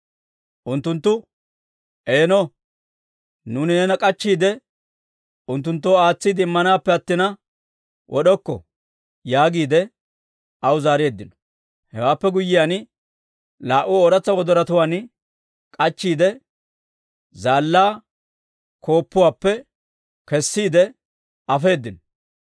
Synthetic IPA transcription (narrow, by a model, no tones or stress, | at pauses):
ʔʊnt̪ːʊnt̪ːʊ | ʔeːnɔ | nuːnɪnɛnɐkʼɐt͡ʃːiːd̪ɛ | ʊnt̪ːʊnt̪ːoːaːt͡sːiːd̪ɪɪmːɐnaːpːɛɐt̪ːɪnɐ | wʔɔɗɔkːɔ̰ | jaːɡiːd̪ɛ | ɐwʊzaːɾeɛd̪ːɪnɔ̥ | hɛwaːpːɛɡʊjːɪjaːn | laːʔʊoːɾɐt͡sːɐwɔd̪ɔɾɐt̪ʊwaːn | kʼɐt͡ʃːiːd̪ɛ | zaːlːaː | kʰo̞ːpːʊwaːpːɛ | kɛsːiːd̪ɛ | ɐfe̞ːd̪ːɪnɔ